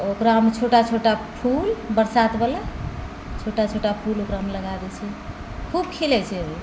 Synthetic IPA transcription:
okɾaɦəmet͡ʃʰoʈat͡ʃʰoʈapʰulbəɾsat̪bela | t͡ʃʰoʈat͡ʃʰoʈapʰulokɾaɦəmeləɡad̪ɛt͡ʃʰɛ | kʰub̚kʰilɛt͡ʃʰɛəbʱi

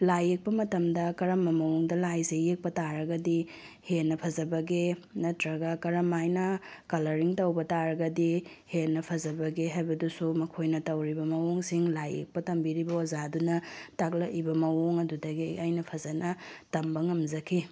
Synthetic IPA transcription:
lajek̚pɐmɐtɐmdɐkɐɾɐmːɐmɐwoŋdɐlajseːek̚pɐtaɾɐɡɐdi | henːɐpʰɐzɐbɐɡenɐtɾɐɡɐkɐɾɐmajnɐkɐlɐɾiŋtɐwbɐtaɾɐɡɐdi | henːɐpʰɐzɐbɐɡeɦajbɐdusumɐkʰojnɐtɐwɾibɐmɐwoŋsiŋlajḛk̚pɐtɐmbiɾibɐozadunɐtak̬̚lɐʔibɐmɐwoŋɐdudɐɡiajnɐpʰɐzɐnɐtɐmbɐŋɐmzɐkʰi

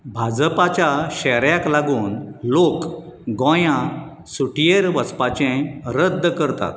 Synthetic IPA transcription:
bʱad͡zpat͡ɕjaɕɛɾjaklaɡuːnlok | ɡɔ̃jã | suʈijeɾʋəspat͡ɕẽɾəd̪ʱːəkəɾt̪a̰t̪̚

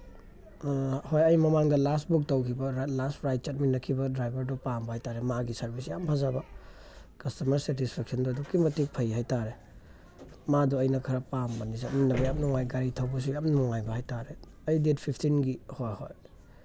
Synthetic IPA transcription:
hojɐjmɐmaŋdɐlast̚buk̚tɐwkʰibɐɾlastpɾajt̚t͡ʃat̚minːɐkʰibɐdɾajbɐɾdupambɐhajtaɾemaɡisɐɾbʱis̬jampʰazabɐ | kɐstɐmɐɾsetispʰek̚sɐndɔɐdukimɐtik̚pʰɐjɦajtaɾe | maduɐjnɐkʰɐɾɐpambɐnis̬at̚minːɐbɐjam̚nɔŋajɡaɾitʰɐwbɐs̬ujamnɔŋajbɐhajtaɾe | ɐjdet̚pʰipʰtʰinɡihojhoj

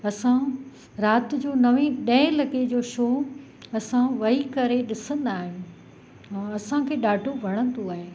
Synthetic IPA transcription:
ɐsã | ɾaːt̪̆d͡ʑoːnɐʋẽɗɐ̃ɦɪ̃lɐked͡ʑoːʃoː | ɐsãʋɐikɐɾeɗɪsə̃nd̪aːɦɪj̃ | ɐsãkʰeːɗaːʈʰobʱɐɽ̃ə̃nd̪oaːɦeː

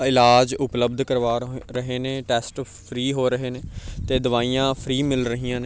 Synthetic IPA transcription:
ɪlaːd͡ʒʊpləbd̪kəɾʋaːɾəɦeːneːʈɛːsʈ | pʰɾiːɦoːɾəɦeːneːt̪eːd̪əʋaːiːjãːpʰɾiːmɪlɾəɦiːãːneː

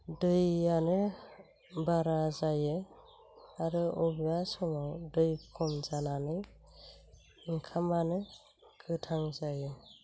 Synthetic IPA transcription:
dɯjanɯ | baɾazajɯ | aɾɯɔbijasɔmawdɯjkʰɔmzananɯj | ŋkʰamanɯ | kʰɯtʰaŋzaje

